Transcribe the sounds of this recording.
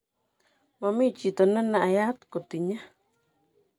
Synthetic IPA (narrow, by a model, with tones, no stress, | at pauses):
mã˨mĩ˦t͡ʃi˨t̪o˨na˦nã˨ʔa˨ja˦t̪ko˨t̪i˨ɲa˦